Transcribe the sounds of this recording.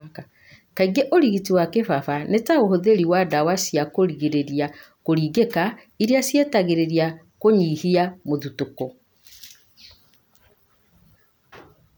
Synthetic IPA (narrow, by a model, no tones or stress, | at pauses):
a | kaiɡeʔoɾiɣitiwakefafanetaohoðeɾiwadawasijakoɾiɣeɾeɾia | koɾiɡeka | iɾiasjetaɣeɾeɾija | koɲiːhiamoðutokɔ